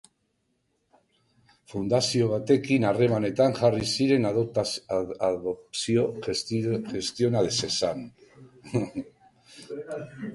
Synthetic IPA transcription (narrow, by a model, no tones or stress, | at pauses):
fund̪asio̞β̞at̪e̞kinare̞mane̞t̪aŋʝarisiɾe̞nð | osio | ʝe̞st̪jonaðesesan